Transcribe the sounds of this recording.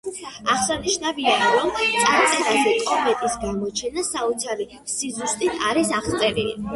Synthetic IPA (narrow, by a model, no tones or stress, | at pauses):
aχsaniʃnavianɾɔmt̪sʼaɾt̪sʼɛɾazɛkʼɔmɛt̪ʼisɡamɔt͡ʃʰɛnasaut̪sʰaɾi | sizlst̪ʼit̪ʰaɾisaχt̪sʼɛɾḭ